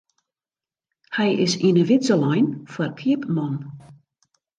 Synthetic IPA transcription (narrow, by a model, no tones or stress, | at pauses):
hɛjɪ̰sinəʋɪtsəlɔjnfərkʰiəpmɔn